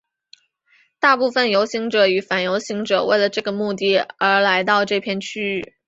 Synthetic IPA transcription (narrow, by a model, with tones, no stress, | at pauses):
t̪a˥˧pu˥˩fə˩njo˧˥ʊɕi˧˥ŋʈ͡ʂɤ˨˩y˨˧˩fa˨˩njo˧˥ʊɕi˧˥ŋʈ͡ʂɤ̰˨˩wḛ˥˩ɪlə˩ʈ͡ʂɤ˥˩ɡə˩mu˥˧t̪i˥˩ə˞˧˥la˧˥ɪt̪ɑ˥˧ʊʈ͡ʂɤ˥˧pʰjɛ˥˧nt͡ɕʰy˥˩